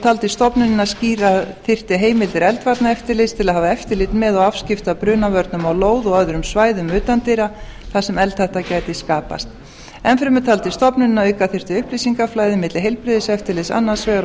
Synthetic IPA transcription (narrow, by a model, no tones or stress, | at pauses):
t̪ʰaːlt̪ɪst̪ɔpnʏnɪnasciːɾaθɪr̥t̪ɪɦeːjmɪlt̪ɪɾɛlt̪vaɾt̪naɛft̪ɪɾlɪst̪ʰɪlaðɦaːvaɛft̪ɪɾlɪt̪nmɛðɔɣafscɪft̪apɾʏːnavœɾt̪nʏmawloːwðɔɣœðɾʏmsvaːjðʏmʏːt̪ant̪iɾaθasɛmɛlt̪haht̪acaːjt̪ɪskaːpa̰st̪ | ɛnfɾɪmʏt̪ʰalt̪ɪst̪ɔpnʏnnaœːjkaθɪr̥t̪ɪʏhplisiŋkaflaːjðɪmɪt̪lɪɦejlpɾɪðɪsɛft̪ɪɾlɪsa̰nːḁsvɛːɣa